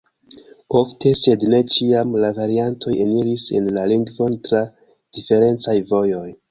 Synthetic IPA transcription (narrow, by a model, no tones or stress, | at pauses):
o̞ftʰe̞se̞dne̞t͡ʃiamlavaɾiantʰo̞jeniɾise̞nlaliŋɡvo̞ntɾa | d̥ife̞ɾe̞nt͡sajvo̞jo̞j